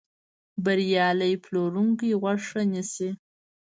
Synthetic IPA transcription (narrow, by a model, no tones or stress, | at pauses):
baɾjɑləjploɾuŋkijɣwaʂanisi